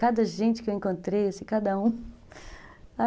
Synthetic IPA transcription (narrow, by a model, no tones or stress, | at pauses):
kad̪ɐʒẽnt͡ʃɪ̥kewẽkõnt̪ɾejesɪkad̪ɐũ | a